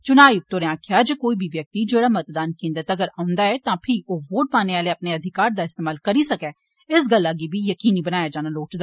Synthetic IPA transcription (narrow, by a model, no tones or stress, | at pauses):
t͡ʃʊnaːjʊk̚t̪oɾeãːkʰjad͡ʒəkoːibʱiʋjɐk̚t̪id͡ʒeːɽaːmɐt̪d̪aːnkẽːnd̪ət̪ɐɡəɾaːʊ̃nd̪aɛt̪ãːpʰɪɾoːʋoːʈ̚paːneaːleɐpneɐd̪ʱɪkaːɾd̪aːɪst̪eːmaːlkɐɾisɐkɛː | ɪsɡəlːaɡibʱijɐkiːnibənaːjad͡ʒaːnaːloːʈd̪a